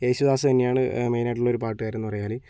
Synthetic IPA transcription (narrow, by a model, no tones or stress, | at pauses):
eːɕuðaːsɨt̪ɐnːejaːɳɨmejnaːʈ̬ːuɭːo̞ɾupaːʈːɨɣaːjiɾunːupɐrɐjaːli